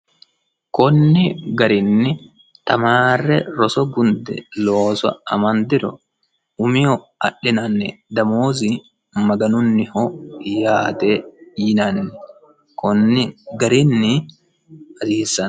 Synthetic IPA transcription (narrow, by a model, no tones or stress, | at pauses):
kɔnːɪɡɐɾɪnːɪ | t̪ɐmaːrːɛɾɔsɔɡʊnd̪ɛ̰loːsɐ̰ɐmɐnd̪ɪɾɔ̰ | ʊmɪhɔ | ɐɗːɪnɐnːɛd̪ɐmoːzɪ | mɐɡɐnʊnːɪhɔjaːt̪ejɪnɐnːɛ | kʰɔnːɪɡɐɾɪnːɪ | ɐsiːsːɐn